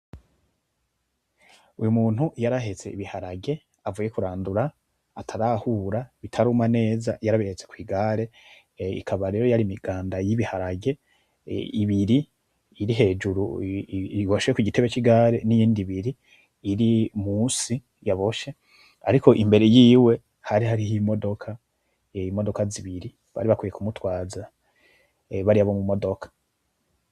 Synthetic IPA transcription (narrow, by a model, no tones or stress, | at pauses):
ujumuːn̥hujaɾaɦe̞t͡se̞iβihaɾaɡe̞ | avuːje̞kuɾaːnduɾaː | tʰaɾahuːɾaβitʰaɾuːmane̞ːza̰jaɾaβihe̞t͡se̞̥kwiːɡaːɾe̞ | ḭkʰaβaɾe̞ːɾo̞jaɾimiɡ̥aːndajiβihaɾaɡe̞ | iβiɾiː | ɾiɦe̞ːd͡ʒuɾu | iɡoʃekuɟite̞βe̞t͡ʃiɡaːɾenijiːndiβiɾiː | ɾimuːsi | jaβo̞ʃe̞ | aɾiko̞ʔimbe̞ɾe̞jiːwe̞ | haɾiɦaɾihimo̞do̞kʰa | mo̞do̞kaziβiɾi | βa̰ɾiβakwiːje̞kumutwaːza | βaɾiaβo̞mumo̞do̞kʰḁ